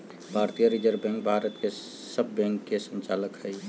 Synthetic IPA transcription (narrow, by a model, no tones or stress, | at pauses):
bʱaːɾt̪ijəɾid͡ʒəɾbɛ̃ːŋk̚bʱaːɾət̪ke | səbʱːɛ̃ːŋkːesə̃ɲt͡ʃaːləkɦɛi